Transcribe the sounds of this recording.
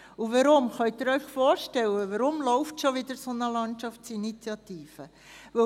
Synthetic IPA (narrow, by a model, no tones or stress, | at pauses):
uʋɑɾʊmχœʏt̪ɪɾœʏχfɔːɾʃtɛwəvəɾʊmlɔʊftʃoʋɪd̪əɾsonəlɑntʃɑftsinit͡sjɑt̪iːfə | ʋɵ